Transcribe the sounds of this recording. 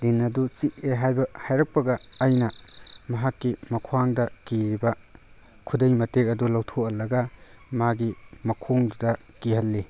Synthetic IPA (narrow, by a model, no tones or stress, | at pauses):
linːɐdut͡ʃik̚eɦajbɐhajɾɐk̚pɐɡɐːjnɐmɐɦakːimɐkʰwaŋdɐkiɾibɐ | kʰudɐjmɐtek̚ɐdulɐwtʰoɐlɐɡɐmaɡimɐkʰoŋdɐ | kihɐlːi